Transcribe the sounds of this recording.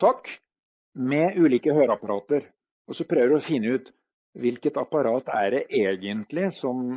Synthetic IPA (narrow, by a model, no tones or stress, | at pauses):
t̪ʰɑkː | mɛʔʉːliːkəhøːɾɑpɑɾɑːt̪əɾ | ʔɔsɔpʰɾøːʋəɾɔfɪnːəʉːt̪ | ʋɪlkət̪ɑpɑɾɑːt̪æ̰ɖɛʔeːɡənt̪lɪsɔm